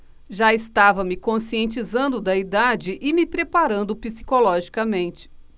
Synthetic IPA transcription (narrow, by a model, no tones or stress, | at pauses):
ʒaɪst̪avɐmɪkõsiẽnt͡ʃizɐ̃nd̪ʊd̪ɐid̪ad͡ʒɪʔɪmɪpɾepaɾɐ̃nd̪ʊpisi̥kolɔʒikɐmẽnt͡ʃɪ̥